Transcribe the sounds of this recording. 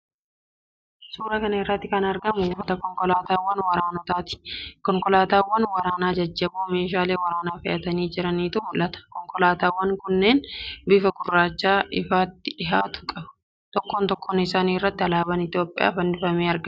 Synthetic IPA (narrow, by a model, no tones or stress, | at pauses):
suːɾɐkɐnɐɪrːɐt̪ːɪkɐnɐɾɡɐmʊuːfɐt̪ɐkɔŋkʼɔlaːt̪aːwːɐnwɐɾaːnɔt̪aːt̪ɪ̥kɔŋkʼɔlaːt̪aːwːɐnwɐɾaːnaːd͡ʒɐd͡ʒːɐbuːme̞ːʃaːle̞ːwɐɾaːnaːfɪʔɐt̪ɐniːd͡ʒɪɾɐniːt̪ʊʔʊlɐt̪ɐ̥kɔŋkʼɔlaːt̪aːwːɐŋkʊnːe̞ːnbɪfɐɡʊrːaːt͡ʃːaːɪfaːt̪ːɪᶑɪɦaːt̪ʊ̥kʼɐbɐ̥ | t̪ɔkːoːnt̪ɔkʰːoːnɪsaːniːrːɐt̪ːɪɐlaːbɐnɪt̪jo̞ːpʼːɪja̰ːfɐndɪfɐmeːɐɾɡɐ